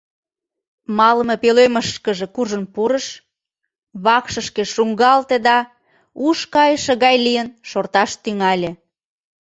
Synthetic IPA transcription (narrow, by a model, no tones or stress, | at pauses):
mɑləmɤpeløməʃkəʒĕkuʒənpuɾəʃ | βɑkʃəʃkĕʃuŋɡɑlt̪ed̪ɑ | uʃkɑjəʃə̆ɣɑjlijənʃort̪ɑʃt̪yŋɑlʲĕ